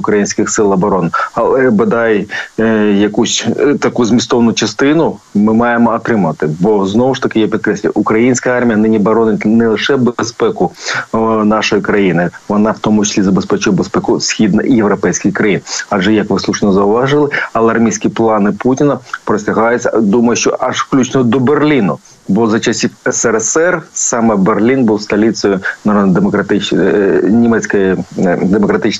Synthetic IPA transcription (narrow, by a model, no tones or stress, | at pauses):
ʊkɾɐjinʲsʲkʲɪxsɪlˠɐbɐɾɔnɪɐlˠɛbɐd̪ɑj | jɐkusʲt̪ɐkuzmʲist̪ɔʋɐnʊt͡ʃɐst̪ɪnʊmɪmɑjemɔɐt̪ɾɪmɐt̪ɪbɔznɔʋʊʂt̪ɐkɪjapʲit̪kɾɛsʲlʲʊj̰ʊkɾɐjinʲsʲkɐjɑrmʲijɐnɪnʲiɐbɐɾɔnɪnɛlˠɪʂɛbspɛkʊ | nɑʂɔjɪkɾɐjinɪʋɔnɑwt̪ɔmʊt͡ʃɐ̥sʲlʲizɐbespɛt͡ʃʊjɛbespɛkʊsʲxʲid̪nɐ̰ʔijewɾɐpɛjsʲkʲɪxkɾɐjinɐʒɛjɐkʋɪslˠuʃnɔzɐʊʋɑʒɪlˠɪɐlˠɛɐrmʲisʲkʲiplˠɑnɪputʲɪnɐpɾɔsʲtʲɐɦɑjɪt͡sʲɐd̪umɐjʊʃt͡ʃɔ̰ʔɐʃfklʲut͡ʃnɔd̪ɔberlʲinʊ̰ | bɔzɐt͡ʃɐsʲiwɛsɛɾɛsɛrsɑmɛberlʲinbuwst̪ɐlʲit͡s̪ʲɔjʊnɐɾɔd̪nɐd̪emɔkɾɐt̪ɪ | nʲimɛt͡sʲkɐjid̪emɔkɾɐt̪ɪt͡ʃ